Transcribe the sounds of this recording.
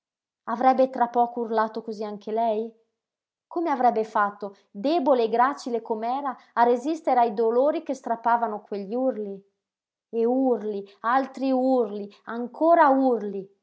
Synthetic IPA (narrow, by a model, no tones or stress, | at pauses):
avɾɛbːet̪ɾapːɔːkourlaːt̪okoziaŋk̟elɛj | komeavɾɛbːefat̪ːo | d̪ɛːboleːɡɾaːt͡ʃilekomɛːɾaːrːezist̪eɾeajd̪oloːɾik̟est̪ɾapːaːvanokweʎːiurli | eurlialt̪ɾiurliaŋkʰoːɾaurli